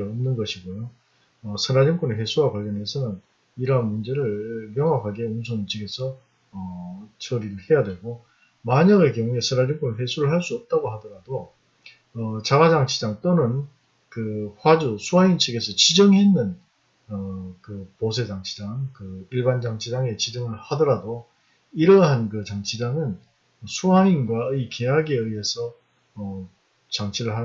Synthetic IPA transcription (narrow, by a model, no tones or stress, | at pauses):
ɭʌmnɯnɡʌɕʰiɡojo | ʌsʰʌnad͡ʑʌŋk͈uneɸwe̞sʰuwakwaʎːjʌnɦe̞sʰʌnɯn | iɾʌɦanmund͡ʑe̞ɾɯɭmjʌŋwakʰaɡeonsʰoŋint͡ɕʰiɡe̞sʰʌ | ʌt͡ɕʌɾiɾɯɭhe̞jadwe̞ɡo | maɲaɡekjʌŋue̞sʰʌnad͡ʑʌŋk͈unɯɭɸe̞sʰuɾɯɭɦaɭs͈uʌp̚t͈aɡoɦadʌɾado | ʌt͡ɕaɡad͡ʑaŋt͡ɕʰid͡ʑaŋt͈onɯn | kɯɸwad͡ʑusʰuɦaint͡ɕʰɯɡe̞sʰʌt͡ɕid͡ʑʌŋɦe̞nːɯn | ʌkɯposʰe̞d͡ʑaŋt͡ɕʰid͡ʑaŋkɯiɭband͡ʑaŋt͡ɕʰid͡ʑaŋe̞t͡ɕid͡ʑʌŋɯɭhadʌɾado | iɾʌɦankɯt͡ɕaŋt͡ɕʰid͡ʑaŋɯn | sʰuainɡwaɯkejaɡeɯie̞sʰʌː | t͡ɕaŋt͡ɕʰiɾɯɭɦa